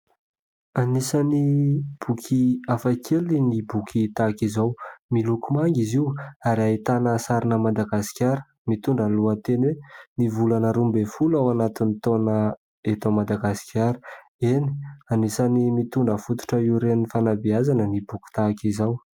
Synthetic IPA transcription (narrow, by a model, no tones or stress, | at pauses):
anisanib̥ukʰiafakʰelinibukʲʰit̪akizawmilukumaŋɡiziwaɾait̪anəsaɾinəmad̪aɡasi̥kʲaɾə̥ | mit̪uɳɖ͡ʐəluat̪enwenivulanəɾumbefulawanat̪init̪onə | et̪omad̪aɡasi̥kʰʲaɾə̥ | eni̥anisanimit̪uɳɖ͡ʐəfut̪u̥ʈ͡ʂəiuɾenifanabiazanənibuki̥t̪akizaw